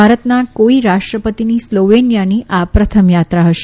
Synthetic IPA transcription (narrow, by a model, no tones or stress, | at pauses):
aɾət̪nakoiɾaʂʈɾəpət̪iniːsloʋenjaniʔapɾət̪ʰəmjat̪ɾaɦəʃe